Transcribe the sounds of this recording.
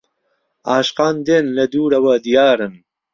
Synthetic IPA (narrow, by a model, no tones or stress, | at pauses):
aːɕqɑːnd̪enlɐd̪uːɽɐwaːd̪ijaːɾɐn